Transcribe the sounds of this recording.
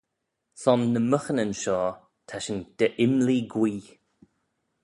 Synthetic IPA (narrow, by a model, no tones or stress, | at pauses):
sɔnːəməxənənʃɔː | t̪ʰaʃənd̪̥əʔɪmliɡwiː